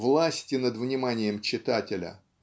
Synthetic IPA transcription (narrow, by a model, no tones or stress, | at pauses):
vlˠasʲtʲɪnəd̪vnʲɪmanʲɪjəmt͡ɕːɪt̪atʲɪlʲə̰